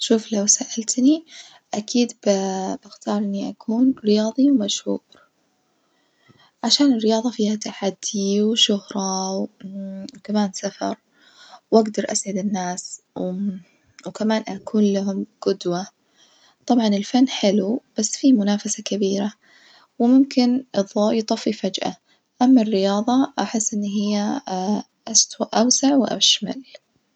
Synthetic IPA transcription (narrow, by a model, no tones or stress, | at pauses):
ʃuːflawsaʔalt̪ni | ʔakʰiːd̪bb̥ɪxt̪ɑːɾˤʔɪnːiʔakʰuːnɾɪjɑːðˤiwmaʃhuːɾ | ʕaʃaːnɪrːɪjɑːðˤɑfiːhat̪aħad̪ːiwʃʊhɾˤɑ | wkamaːnsafɑ̰ɾˤ | wʔaɡd̪ɑɾˤʔa̰sʕɪd̪ɪnːaːs | wkamaːnʔakʰuːnlaɦʊmɡ̥ʊd̪wa | t̪ˤɑbʕɑnɪlfanːħɪlub̥asːfimʊnaːfasakabiːɾa | wmʊmkɪnɨðˤjt̪ˤɑfifad͡ʒʔa̰ | ʔamːarːɪjɑːðˤɑʔaħɪsːʔɪnːɦɪjːa | ʔast̪waʔʔawsaʕwɪʔa̰ʃma̰l